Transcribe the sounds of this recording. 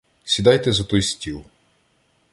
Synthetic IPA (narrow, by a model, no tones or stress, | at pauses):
sʲid̪ɑjt̪ɛzɐt̪ɔjsʲtʲilˠ